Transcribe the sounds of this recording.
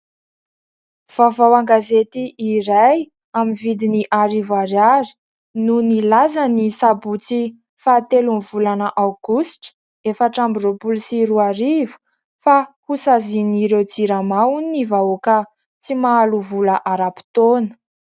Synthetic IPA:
v̥avawaŋɡazet̪iʔiɾaj | aminvid̪iniʔaɾivaɾaɾi̥ | nunilazanisabut͡si | faːt̪elunvulanəʔawɡ̥usʈ͡ʂə̥ | efaʈ͡ʂambiropulisiɾuaɾivu̥ | fakusaziniɾewd͡ziɾamawunnivaokə | t͡simaːluvulaʔaɾapi̥t̪onə̥

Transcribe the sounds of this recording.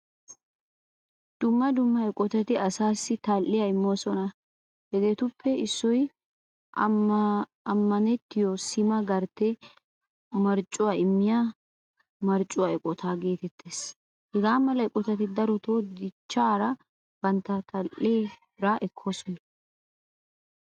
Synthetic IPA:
d̪̥ʊmːɐd̪ʊmːɐɛkʼːɔt̪ɐt̪ɪɐsaːsːɪt̪ɐlːɪjɐɪmːoːsɔnɐ | hɛɡ̪eːt̪ʊpʰːɛɪsːɔj | ɐmːɐnɛt̪ːɪjosɪmɐɡɐɾt̪ːɛ | mɐɾt͡ʃʼːʊwaːɪmːɪja | mɐɾt͡ʃʼʊwaɛkʼɔt̪ʰaːɡe̞ːt̪ɛt̪ʰːeːs | hɛɡaːmɐlɐɛkʼɔt̪ɐt̪ɪd̪ɐɾɔt̪oːd̪ɪt͡ʃːaːɾɐ | b̥ɐnt̪ːɐt̪ɐlʔeːbɪɾaːʔɛkʰːoːsɔnɐ

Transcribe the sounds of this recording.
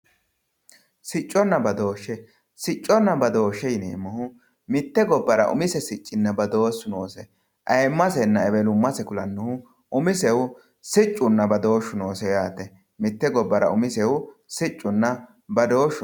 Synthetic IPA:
sɪt͡ʃʼːɔnːɐbɐd̪o̞ːʃːɛ | sɪt͡ʃʼːɔnːɐbɐd̪o̞ːʃːɛjnḛːmːʊhʊ | mɪt̪ːɛɡɔbːɐɾɐ̰ʔʊ̰mɪsɛsɪt͡ʃʼːɪnːɐbɐd̪o̞ːsːʊnoːsɛ | ʔɐjmːɐsɛnːɐɛβɛlʊmːɐsɛkʊlɐnːʊhʊ | ʔʊmɪsɛwʊ | sɪt͡ʃʼːʊnːɐbɐd̪o̞ːʃːʊnoːsɛjaːt̪ːɛ | mɪt̪ːɛɡɔbːɐɾɐ̰ʊmɪsɛwʊsɪt͡ʃʼːʊnːɐ | bɐd̪o̞ːʃːʊ

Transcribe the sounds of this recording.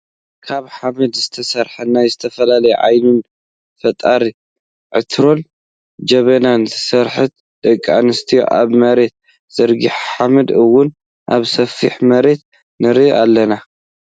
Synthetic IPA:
kʰaβħamɐd̪zɨt̪ʰɐsɐɾħɐnajzɨt̪ʰɐfɐlalɐjɛ̰ʕa̰jnun | fɐt̪ʼaɾi | ʕɨt̪ʰɾo̞n | d͡ʒɐβɐnansɐɾħɨt̪̚ | d̪̥ɐkʼːa̰nɨst̪ʰḭʔa̰βmɐɾe̞t̪̚ | z̥ɐɾɡiħħamɐd̪ɨwːʊn | ʔa̰βsɐfiħmɐɾe̞t̪̚ | nɨɾiʔalːɐna

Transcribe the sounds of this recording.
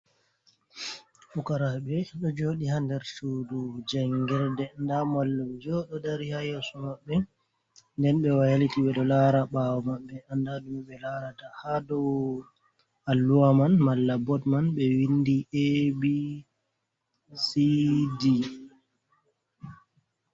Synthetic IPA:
fukaɾaɓɛɗɔd͡ʒoːɗihandɛɾsudud͡ʒɛŋɡɛɾdɛndamalːumd͡ʒɔɗɔdaɾihajasumaɓːɛ | ndɛnɓɛwajalitiɓɛɗɔlaɾaɓawɔmaɓːɛʔandadumiɓɛlaɾatahadɔ | alːuwamanmalːabɔtmanɓɛwindiʔebi | sidi

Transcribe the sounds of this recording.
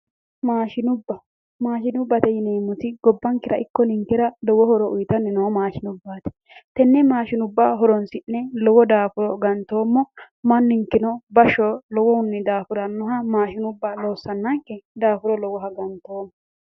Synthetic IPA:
maːʃɪnʊbːɐ | maːʃɪnʊbːɐt̪ɛjɪneːmːʊt̪ɪɡɔbːɐŋkɪɾɐʔɪkːɔnɪŋkɛɾɐlɔwɔhɔɾɔʔʊjt̪ɐnːɛnɔhɐmaːʃɪnʊbːaːt̪ɛ̥ | t̪ɛnːɛmaːʃɪnʊbːaːɦɔɾɔnsɪnːɛlɔwɔd̪aːfʊɾɔɡɐnt̪ːo̞ːmːɔ | mɐnːɪŋkːɪnɔbɐʃɔlɔwɔʊnːɪd̪aːfʊɾɐnːʊɦɐmaːʃɪnʊbːaloːsːɐnːɐŋkːɛd̪aːfʊɾɔlɔwɔɦɐɡɐnt̪oːmːɔ

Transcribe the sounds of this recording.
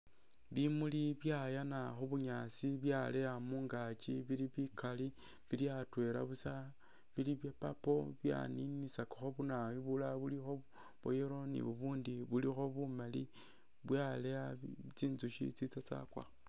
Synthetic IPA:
βimuliβjajanaxoβuɲasiβjalejamuːŋɡat͡ʃiβiliβikali | βiljatwe̞la̰βusa | βiliβjapapo̞βja̰ninisakḁxoβunawiβulaβulixo̞ | βo̰jeɾo̞nḭβuβuːndiβulixo̞βumali | βwjaleat͡siːnzuʃḭt͡sit͡sat͡sa̰kwa̰

